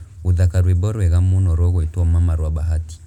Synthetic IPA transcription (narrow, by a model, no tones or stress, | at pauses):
uðakaɾwibɔɾɛɣamunɔɾɔɣɛtɔmamaɾwabaɦati̥